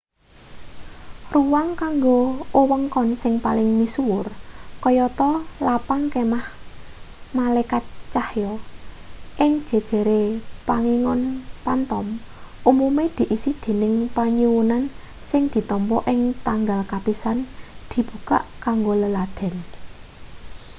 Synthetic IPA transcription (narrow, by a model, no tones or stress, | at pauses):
ruwaŋkaŋɡoowəŋkɔnsɪŋpalɪŋmisuwʊrkɔjɔt̪ɔlapaŋkemah | malakat̪̚t͡ʃahjɔ | ʔɪŋd̥ʒ̥e̤d̥ʒ̥e̤ɾepaŋiŋɔnpant̪ɔmʔumumed̪̥i̤ʔisid̪̥e̤nɪŋpaɲiwunan | sɪŋd̪̥i̤t̪ɔmpɔʔɪŋt̪aŋɡalkapisand̪̥i̤b̥ṳka̰ʔkaŋɡoləlad̪̥ɛ̤n